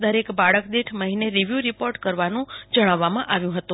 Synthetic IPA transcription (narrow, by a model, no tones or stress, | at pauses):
d̪əɾekbaɭəkd̪eʈʰməɦineɾiʋjuɾipoɾʈkəɾʋanũd͡ʒəɽ̃aʋːamãʔaʋjũɦət̪ũ